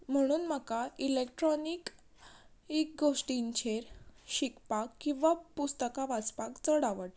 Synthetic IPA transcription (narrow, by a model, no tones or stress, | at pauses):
m̤əɽ̃uːnmakailek̚ʈɾɔnik | ek̚ɡʱoʂʈiɲt͡ɕʰeɾɕikpakːĩw̃ʋapust̪əkaʋat͡spakt͡səɽaʋəʈ